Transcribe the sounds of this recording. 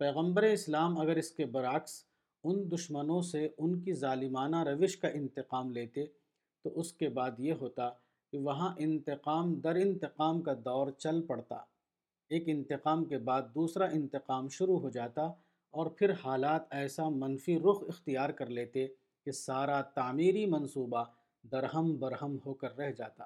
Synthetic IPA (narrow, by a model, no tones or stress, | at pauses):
pɛːɣə̃mbəɾeɪslaːmɐɡəɾɪskebɐɾaːks | ʊnd̪ʊʃmənõseʊnkizaːlɪmaːnaɾɐʋɪʃkaʔɪ̃nt̪ɪqaːmleːt̪e | t̪oʔʊskebaːd̪jeɦoːt̪a | keʋɐɦãʔɪ̃nt̪ɪqaːmd̪ɐɾɪ̃nt̪ɪqaːmkad̪ɔːɾt͡ʃɐlpɐɽt̪a̰ː | eːkɪ̃nt̪ɪqaːmkebaːd̪̚ːuːsɾaʔɪ̃nt̪ɪqaːmʃʊɾuɦod͡ʒaːt̪a | ɔːɾpʰɪɾhaːlaːt̪ɛːsamɐnfiɾʊxɪxt̪ijaːɾkɐɾleːt̪e | kesaːɾat̪aːmiːɾimɐ̃nsuːba | d̪ɐɾɦəmbɐɾɦəmɦoːkɐɾːɛɦd͡ʒaːt̪a̰ː